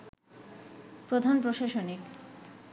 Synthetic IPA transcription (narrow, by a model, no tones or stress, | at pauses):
pɾod̪ʱanpɾoʃaʃonik